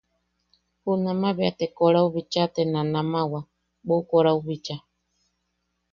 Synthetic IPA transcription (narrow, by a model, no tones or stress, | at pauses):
hunamaβeat̪ekoɾauβit͡ʃat̪enanamawa | ɓokoɾauβit͡ʃa